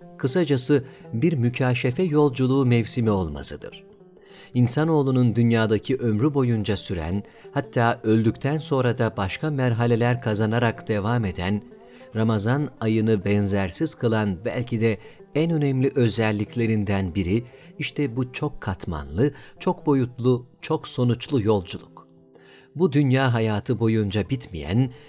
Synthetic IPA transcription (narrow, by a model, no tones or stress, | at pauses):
kʰɯsad͡ʒasɯbiɾmycʰaːʃefɛjo̞lˠd͡ʒulˠuːmɛvsimɛo̞lˠma̰sɯd̪ɯ̰ɾ̥ | insano̞ːlˠunund̪ynjaːd̪acʰiʔø̞mɾybo̞jund͡ʒasyɾæ̰n | hat̪ʰːaːø̞lʲd̪ycʲt̪ʰænso̞nɾad̪abaʃkʰamæɾɦalʲe̞lʲæɾkʰazanaɾakd̪̥e̞vame̞d̪æn | ɾamazanajɯnɯbɛnzæɾsiz̥kʰɯlˠanbæ̰lʲcʰid̪ɛ | ɛnø̞nɛmlʲiʔø̞zɛlʲːiclʲe̞ɾind̪ænbiɾiiʃt̪ʰɛbut͡ʃʰo̞kʰːat̪ma̰nlˠɯt͡ʃʰo̞kbo̞jut̪lˠut͡ʃʰo̞kso̞nut͡ʃlˠujo̞lˠd͡ʒulˠuk | bud̪ynjaːɦajaːt̪ʰɯbo̞jund͡ʒabit̪mḭjæ̰n